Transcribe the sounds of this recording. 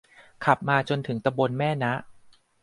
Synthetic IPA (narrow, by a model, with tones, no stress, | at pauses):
kʰa˨˩p̚maː˧t͡ɕo˧nt̪ʰɯ˩˦ŋt̪a˧bo˧nmɛː˥˩na˦˥ʔ